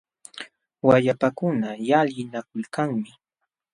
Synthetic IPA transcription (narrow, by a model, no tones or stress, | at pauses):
wajapakʊnajaljɪnakʊlkaŋmɪ